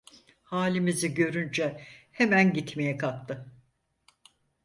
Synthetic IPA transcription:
haːlʲimiziɟø̞ɾynd͡ʒɛhemænɟit̪me̞jɛkʰap̚t̪ʰɯ

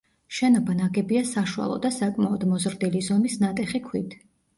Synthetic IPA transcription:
ʃɛnɔbanaɡɛbiasaʃua̰lˠɔ̰d̪asakʼmaɔd̪mɔzɾd̪ilizɔmisnat̪ʼɛχikʰwit̪ʰ

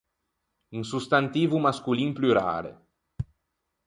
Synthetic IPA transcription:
uŋsust̪ant̪iːvumaskulinplyɾa̰ːɾḛ

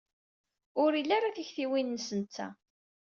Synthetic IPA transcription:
ʊɾilːaɾaθiçθiwinːəsənt̪ːæ̰

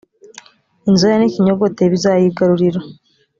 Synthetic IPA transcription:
inzojaniciɲoɡoteβizajiɡaɾuɾiɾa

